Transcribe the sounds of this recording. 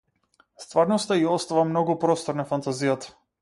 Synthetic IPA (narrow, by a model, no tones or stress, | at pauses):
st̪vaɾnɔst̪aiɔst̪avamnɔɡupɾɔst̪ɔɾnafant̪azijat̪ḁ